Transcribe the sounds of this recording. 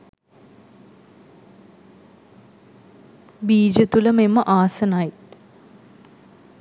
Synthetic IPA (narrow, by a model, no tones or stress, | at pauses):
biːd͡ʑɐt̪ulɐmemːɐʔaːsɐnaːji